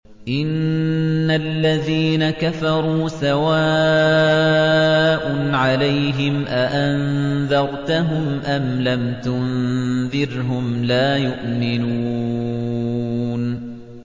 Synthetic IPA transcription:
ʔɪnː | alːaðiːnakafɑɾˤuːsawa | ʔʊnʕalajɦɪmʔaʔanðɑɾˤt̪aɦʊmʔamlamt̪ʊnðɪɾɦʊmlaːjʊʔmɪnuː | n

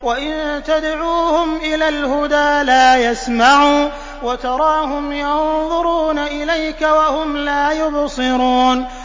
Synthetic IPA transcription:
waʔɪnt̪ad̪ʕuːhʊmʔɪlaːlhʊd̪aːlaːjasmaʕuː | wat̪ɑɾˤɑːɦʊmjɑnðˤʊɾuːnaʔɪlajkawahʊmlaːjʊbsˤɨɾuːn

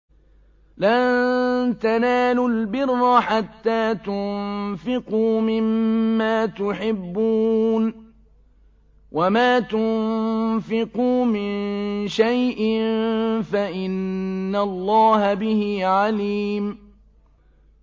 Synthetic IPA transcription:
lant̪anaːlʊlbɪrːɑħat̪ːaːt̪ʊnfɪquːmɪmːaːt̪ʊħɪbːuːn | wʔamaːt̪ʊ | fɪquːmɪnnʃajʔɪnfaʔɪnːalˤːɑːɦabɪhɪʕaliːm

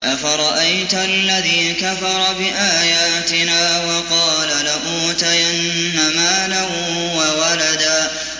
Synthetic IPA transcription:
ʔafaɾˤɑʔajt̪ʔalːaðiːkafɑɾˤɑbɪʔaːjaːt̪ɪnaːwɑqɑːlalaʔuːt̪ajanːamaːla | wawalad̪aː

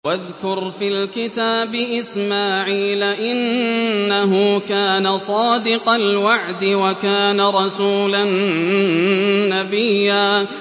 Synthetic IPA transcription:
waðkʊɾfiːlkɪt̪aːbɪʔɪsmaːʕiːlaʔɪnː | aɦʊkaːnasˤɑːd̪ɪqɑlwaʕd̪ɪwakaːnaɾˤɑsuːlan | abɪjːaː

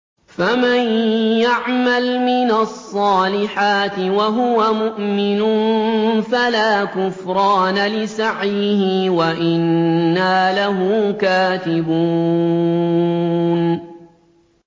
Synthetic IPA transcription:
famanjaʕmalmɪnasˤːɑːlɪħaːt̪ɪwaɦʊwamʊʔmɪnʊnnfalaːkʊfɾˤɑːnalɪsaʕjɦɪwaʔɪnːaːlaɦuːkaːt̪ɪbuː | n

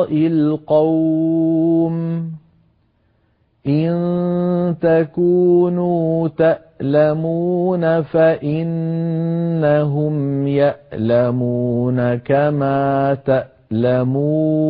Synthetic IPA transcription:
ʔɪlqɑw | m | ʔɪn | t̪akuːnuːt̪aʔlamuːnafaʔɪnː | aɦʊmjaʔlamuːnakamaːt̪aʔ | lamuː

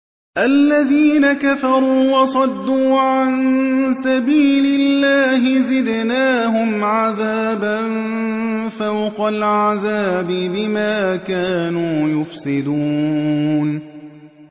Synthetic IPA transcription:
ʔalːaðiːnakafɑɾˤuːwɑsˤɑd̪ːuːʕansabiːlɪlːaːhɪzɪd̪naːɦʊmʕaðaːban | fawqalʕaðaːbɪbɪmaːkaːnuːjʊfsɪd̪uː | n

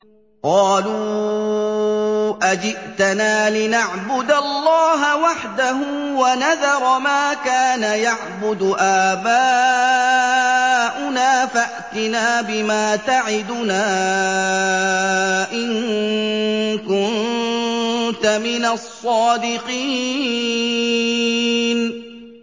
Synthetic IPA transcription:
qɑːluː | ʔad͡ʒɪʔt̪anaːlɪnaʕbʊd̪alːɑːɦawaħd̪aɦʊːwanaðɑɾˤɑmaːkaːnajaʕbʊd̪ʊʔaːbaː | ʔʊnaːfaʔt̪ɪnaːbɪmaːt̪aʕɪd̪ʊnaː | ʔɪnŋ | kʊn | t̪amɪnasˤːɑːd̪ɪqiː | n

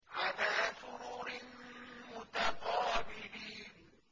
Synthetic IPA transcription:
ʔalaːsʊɾuːɾɪnmʊt̪aqɑːbɪliːn

